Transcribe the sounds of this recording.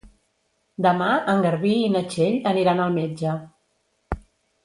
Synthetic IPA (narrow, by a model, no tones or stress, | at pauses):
d̪əmaəŋɡəɾβiːnət͡ʃeʎəniɾanəlˠmed͡ʒə